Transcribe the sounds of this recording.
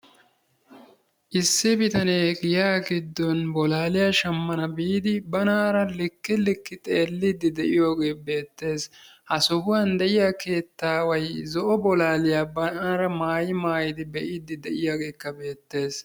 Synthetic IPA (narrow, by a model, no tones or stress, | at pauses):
ʔɪsːɪbɪt̪ɐneːɡɪjaːɡɪd̪ːɔnbɔlaːlɪjaːʃɐmːɐnɐbiːd̪ɪbɐnaːɾɐlɪkːɪlɪkːɪt̪ʼe̞ːlːid̪ːɪd̪ɛʔɪjo̞ːɡe̞ːbe̞ːt̪ːe̞ːshɐsɔɦʊwand̪ɛʔɪjaːke̞ːt̪ːaːwɐjzɔʔɔbɔlaːlɪjaːbɐnaːɾɐmaːjɪmaːjɪd̪ɪbɛʔɪd̪ɪd̪ɛʔɪjoːɡe̞ːkːɐbe̞ːt̪ːe̞ːs